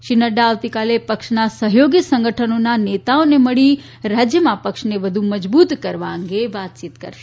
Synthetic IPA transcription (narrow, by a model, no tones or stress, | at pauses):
ʃinəɖaːʋt̪ikalepəkʃnasəɦjoɡit̪sə̃ŋɡəʈʰənonanet̪aoneməɭi | ɾad͡ʒjəmãpəkʃneʋəd̪ʱuməd͡ʒbut̪kəɾʋaə̃ŋɡeʋat̪̚t͡ʃit̪kə̰ɾʃe̥